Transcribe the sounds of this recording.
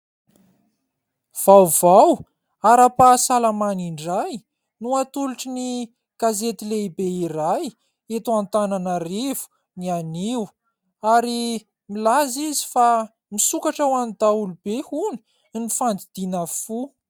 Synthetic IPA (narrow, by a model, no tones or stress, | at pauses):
v̥awv̥aw | aɾapasalamaniɳɖ͡ʐaj | nuat̪uluʈ͡ʂini | ɡ̥azet̪ileibeiɾaj | et̪uant̪ananərev̥u̥ | nianiw | aɾi | milazizi̥fa | misukaʈ͡ʂawanid̪aulubehuni̥ | nifand̪id̪̥inəfu